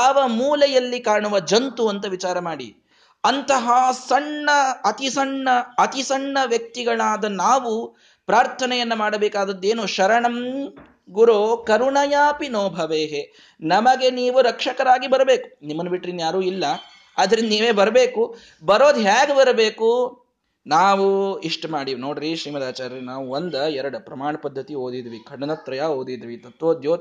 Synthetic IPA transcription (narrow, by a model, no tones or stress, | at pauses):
aːʋɐmuːlɛjɐlːikaːɳuʋɐd͡ʒɐnt̪uɐnt̪ɐʋit͡ʃaːɾɐmaːɽḭ | ɐnt̪ɐɦɐsɐɳːɐːt̪isɐɳːɐːt̪isɐɳːɐʋjɐk̚t̪iɡɐɭaːd̪ɐnaːʋu | pɾaːɾt̪ʰɐnɛjɐnːɐmaːɽɐbɛːkaːd̪ɐd̪ːe̞ːnuʃɐɾɐɳɐm | ɡuɾoːkɐɾuɳɐjaːpinoːbʱɐʋeːɦe | nɐmɐɡeniːʋuɾɐkʂɐkɐɾaːɡibɐɾɐbeːku̥nimːɐnːɐbiʈːɾind̪ɐjaːɾuːilːɐ | ɐd̪ɐɾind̪ɐniːʋeːbɐɾɐbeːku | bɐɾo̞ːd̪ɦaːɡebɐɾɐbeːku | naːʋuiʂʈɐmaːɽiːʋnoːɽɐɾiʃɾiːmɐd̪aːt͡ʃaːɾɐɾinaːʋuond̪ɐɛɾɐɽɐpɾɐmaːɳɐpɐd̪ʱːɐt̪iɦoːd̪id̪ʋikʰɐɽɐnɐt̪ɾɐjaɦoːd̪id̪ʋit̪ɐt̪ʋoːd̪joː